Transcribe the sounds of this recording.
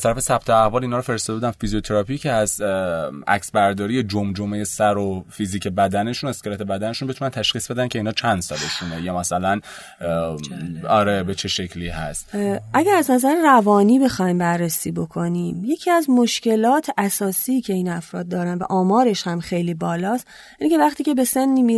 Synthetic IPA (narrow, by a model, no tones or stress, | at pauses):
æzt̪ʰæɾæfe̞sæb̚t̪ʰoæhvɒːlinɒːɾofeɾest̪ɒd̪ebud̪æmfiziot̪ʰe̞ɾɒpʰicʰeæz | ʔæ̰csbæɾd̪ɒːɾije̞d͡ʒomd͡ʒomejesæɾofiziːcʰe̞bæd̪æne̞ʃunoeskeɾæt̪ʰebæd̪æneʃunbe̞t̪ʰunænt̪ʰæʃxiːsbe̞d̪æncʰeinhɒːt͡ʃʰænd̪̥sɒ̰ːle̞ʃunejɒːmæsælæn | ɒɾebet͡ʃʰe̞ʃe̞cʰliːhæ̰st̪ʔæɟæɾæznæzæɾerævɒːniːbe̞xɒːjmbæɾːesiːbo̞kʰo̞niːmje̞cʰiːæzmoʃce̞lɒːt̪ʰʔæsɒːsiːcʰe̞inæfɾɒːd̪̚d̪ɒːɾænvæ̰ʔɒːmɒːɾe̞ʃhæmxe̞jliːbɒːlɒːst̪ | jæniːcevæχt̪ʰiːcʰe̞be̞se̞nːiːmi